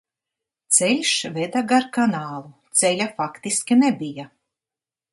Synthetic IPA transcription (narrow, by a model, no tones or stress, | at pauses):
t̪sɛlʲʃvɛd̪aɡaɾkanaːlˠut̪sɛlʲafakt̪iskʲinɛbija